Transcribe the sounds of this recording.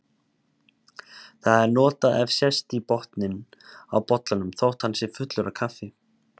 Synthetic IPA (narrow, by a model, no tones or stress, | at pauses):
θaðɛɾnɔːt̪aɛvsjɛst̪ipɔht̪nɪnawpɔt̪lanʏmθowht̪hansɪɾfʏt̪lʏɾakʰafɪ